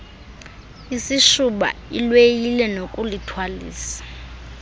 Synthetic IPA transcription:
isiʃuɓa̰ilwejilɛnokʼulitʰwalḭːsḁ

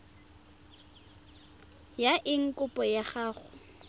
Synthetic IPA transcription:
jaʔɪŋ̩kʼʊpʼɔjaχaːχʊ

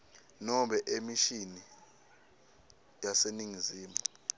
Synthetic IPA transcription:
nɔɓɛʔemiʃini | jaseniŋiziːmu

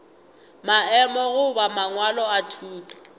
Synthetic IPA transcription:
maɛmɔɣʊbamaŋwalɔatʰuːpʼḁ

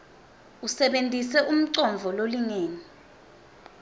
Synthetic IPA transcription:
usɛɓentʼisɛʔum̩ǀɔɱvʱɔloliŋeːni

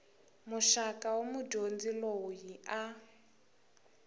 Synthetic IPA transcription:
muʃakawomudʱond͡ziloujiʔa

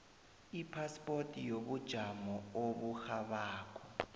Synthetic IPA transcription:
ipʰaspʼotʼijoɓud̥ʒ̥ʱamɔoɓuxaɓaːk̬ʰʼɔ̥

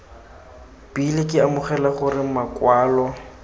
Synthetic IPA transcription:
b̥ilɪkʼɪamʊχɛlaχʊrɪmakwaːlɔ

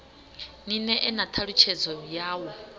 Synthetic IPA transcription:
ninɛʔɛnat̪ʰaɺut͡ʃʰɛd͡zɔjaːwɔ

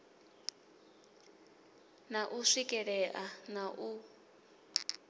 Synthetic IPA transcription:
naʔuʂikʼɛɺɛʔanaʔu

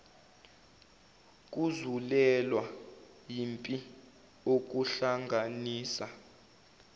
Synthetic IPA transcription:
k̬ʼuzulɛlwa | jimpʼi | ok̬uɬaŋɡʱaniːsa

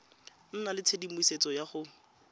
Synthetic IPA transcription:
n̩nalɪt͡sʰedimiset͡sɔjaχʊ

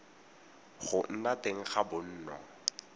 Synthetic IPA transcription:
χʊn̩nateŋ̩χabʊn̩ːnɔ̰

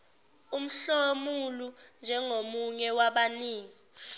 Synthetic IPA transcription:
um̩ɬomulund͡ʒʱɛŋomuɲɛwaɓaniːŋi

